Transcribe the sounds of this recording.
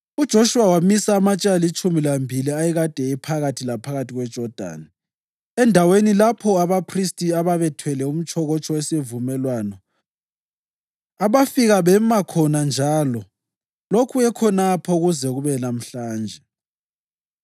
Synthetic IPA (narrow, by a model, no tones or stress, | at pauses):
ud̥ʒ̥ʱoʃuwawamisaːmat͡ʃʼalit͡ʃʼumilambʱiliajɛɣad̥ʱɛipʰaɣatʰilapʰaɣatʰiɣwɛd̥ʒ̥ʱɔd̥ʱa̰ːni | ɛndʱawenilapʰɔaβapʰristʼiaβaβɛtʰwɛlɛum̩t͡ʃʰʼɔɣɔt͡ʃʼʰɔwesivumɛlwanɔ | aβafiɣaβɛmakʰɔnand͡ʒʱaːlɔ | lokʰuɛkʰɔnapʰɔuɣuzɛɣuβɛnam̩ɬaːnd͡ʒʱɛ